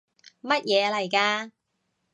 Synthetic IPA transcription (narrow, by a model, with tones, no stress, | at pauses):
mɐ˥t̚jɛː˨˧lɐ˨˩jkaː˧